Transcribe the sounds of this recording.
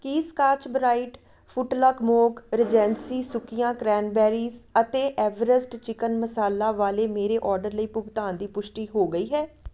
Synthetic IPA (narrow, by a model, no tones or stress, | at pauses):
kiːskaːt͡ʃbɾaːiʈ | pʰʊʈləkmoːkɾɪd͡ʒɛ̃ːnsiːsʊkijãːkɾɛːnbɛːɾiːzət̪eːʔɛːʋəɾəsʈt͡ʃɪkənməsaːlaːʋaːleːmeːɾeːʔɔːɾɖəɾləiːpʊɡt̪aːnd̪iːpʊʃʈiːɦoːɡəiːɦɛː